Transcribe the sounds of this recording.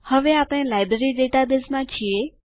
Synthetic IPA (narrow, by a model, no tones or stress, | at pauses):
həʋeaːpɽ̃ẽlaːɪbɾəɾiɖeːʈabesmãt͡ʃʰie